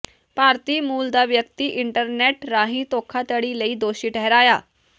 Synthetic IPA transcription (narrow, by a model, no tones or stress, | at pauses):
paɾt̪iːmuːld̪aʋjək̚t̪iːʔiɳʈəɾneʈɾaɦĩːt̪okʰat̪əɽiːləiːd̪oɕiːʈʰəɦɾaja